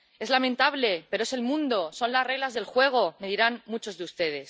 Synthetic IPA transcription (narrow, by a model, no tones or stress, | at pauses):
e̞zlamẽnt̪aβle̞pe̞ɾoe̞se̞lmũnd̪o̞so̞nlasre̞ɣlazðe̞lxwe̞ɣ̞o̞me̞ðiɾanmut͡ʃo̞zðeust̪e̞ð̞e̞s